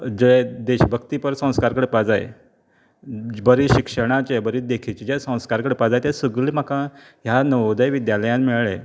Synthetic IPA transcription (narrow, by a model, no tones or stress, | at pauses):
d͡ʑed̪eɕbʱəkt̪ipəɾsə̃w̃skaɾkəɽepad͡zajḛ | bəɾiɕikʂəɽ̃at͡ɕebəɾid̪ekʰit͡ɕed͡ʑesə̃w̃skaɾkəɽepad͡zajt̪esəɡɭiːm̤aka | ɦjanəʋd̪əjʋid̪jaləjãnmiɭɭḛ